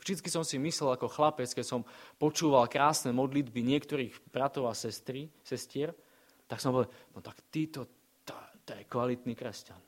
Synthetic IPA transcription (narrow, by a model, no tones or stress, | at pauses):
vʒd̪itt͡skisɔmsimislɛlakɔxlapɛt͡skɛcsɔmpɔt͡ʃuːʋalkɾaːsnɛmɔd̪lid̪biɲɪɛkt̪ɔɾiːɣbɾat̪ɔʊasɛst̪ɾisɛscɪɛɾ | t̪aksɔmɦɔʋɛlnɔt̪akt̪iːt̪ɔ | t̪ɔt̪ɔjɛkʋalit̪nikɾɛscan